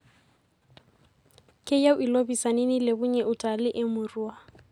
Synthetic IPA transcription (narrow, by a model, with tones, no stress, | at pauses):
kʼɪ˦ja˦ʊʔi˨lo˦bi˨sa˨nɪ˦ni˦lɪ˨bʊ˦ɲɛ˨ʔʊtʼa˨lɪ˦ʔɪ˦mʊruː˦a˨